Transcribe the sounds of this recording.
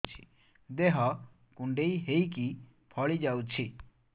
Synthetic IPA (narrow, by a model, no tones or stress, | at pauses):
t͡sʰi̥ | d̪eɦʌ | kuɳɖejɦejki | pʰʌɭid͡ʒawt͡sʰi